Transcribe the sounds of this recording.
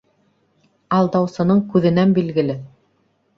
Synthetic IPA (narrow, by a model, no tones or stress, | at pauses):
ɑlˠd̪ɑwsɤ̆nɤɴkʉðɘ̆nænbilɡɘ̆lɘ